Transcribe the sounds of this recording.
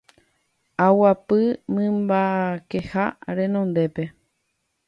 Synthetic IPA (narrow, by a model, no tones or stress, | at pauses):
awapɨmɨ̃mbake̞ha̰ɾẽ̞nõ̞nd̪e̞pe̞